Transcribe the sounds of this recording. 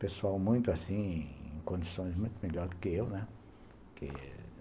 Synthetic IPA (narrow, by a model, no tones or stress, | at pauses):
peswawmũj̃t̪ʊasĩḛ̃ŋkõnd̪isõj̃smũj̃t̪umeʎɔɾkeewnɛ̃ | kʰḛ